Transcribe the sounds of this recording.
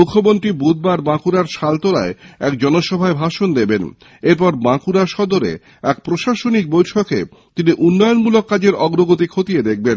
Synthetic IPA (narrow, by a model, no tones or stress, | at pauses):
mukʰːomonʈ̪ibud̪̚baɾbãkuɾaɾʃalt̪oɾa̰eɛkd͡ʑɔnoʃɔbʱaebʱaʃond̪eben | eɾp̬ɔɾbãkuɾaʃɔd̪oɾḛ | ɛkpɾoʃaʃonik̚bojʈʰokḛ | t̪iniʔunːɔjonmulokːad͡ʑeɾɔɡɾoɡot̪̬ikʰot̪ied̪ek̚ʰben